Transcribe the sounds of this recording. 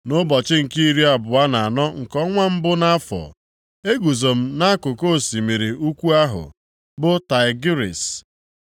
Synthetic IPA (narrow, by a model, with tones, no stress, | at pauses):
nʊ˦bɔ˨t͡ʃɪ˦ŋ̩˨ki˦ɾi˦a˨bʊ˨a˦na˨a˨nɔ˦ŋ̩˨kɔ˦ŋʷa˦m̩˦bʊ˦na˦fɔ̰˨ | e˦ɡu˨zo˨m̩˦na˦a˦kʊ˨ko˦˨si˨mi˨ɾi˨u˦kʷu˦a˦ɦʊ̰˨ | bʊ˦ta˨ɪ˨ɡi˦ɾḭ˨s